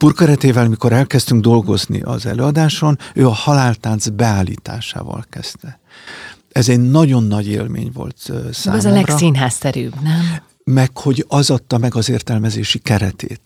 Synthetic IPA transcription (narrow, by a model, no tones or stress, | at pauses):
puːrkɛɾɛt̪eːvɛlmiko̞ɾɛlkɛst̪yŋɡd̪o̞lɡo̞znḭʔɒ̰zɛ̰løːɒd̪aːʃo̞nøːɒhɒlaːlt̪aːnzbɛaːlːḭːt̪a̰ːʃa̰ːvɒ̰lkɛ̰z̥t̪ɛ | ɛzɛɟnɒɟo̞nːɒɟḛːlmḛːɲvo̞̰lt̪sa̰ːmzlɛrsinɦaːsɛɾy̰ːbnɛm | mɛkho̞ɟɒzɒt̪ːɒmɛɡɒzeːrt̪ɛlmɛzeːʃikɛɾɛt̪ḛːt̪